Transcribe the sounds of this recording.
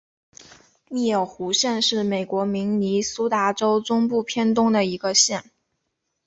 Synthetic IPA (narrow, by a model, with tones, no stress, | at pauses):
mi˥˩jo˨˩ʊxu˧˥ɕjɛ˥˧nʂɻ̩˥˩me˨˩ɪkwɔ˧˥mi˧˥ŋni˧˥su˥t̪a˧˥ʈ͡ʂo˥ʊʈ͡ʂʊ˥ŋpu˥˩pʰjɛ˥nt̪ʊ˥ŋd̪ə˨i˧˥ɡə˧ɕjɛ˥˩n